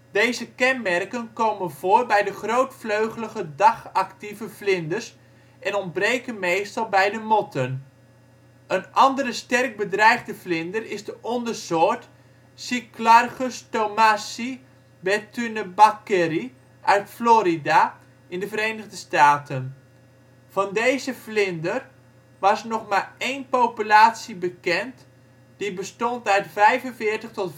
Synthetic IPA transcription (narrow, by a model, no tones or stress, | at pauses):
dejzəkɛnmɛrkənkowmənvoːrbɛjdəχrowtfløɥχələɣədɑχɑktivəflɪndərs | ɛnɔndbrejkənmejstɑlˠbɛjdəmɔtʰən | ənʔɑndəɾəstɛrk̚bədrɛjχdəflɪndərɪzdəʔɔndərsoːɹt | siklarχəstomasi | bɛtynəbakɛɾi | ʔœɥtfloːɾida | ɪndəvəɾejnəɣdəstaːtʰən | v̥ɑndejzəflɪndər | ʋɑsnɔχmarejnpowpylaːtsibəkɛnt | d̥ibəstɔntœɥtfɛjvənvɪːrtəχtɔt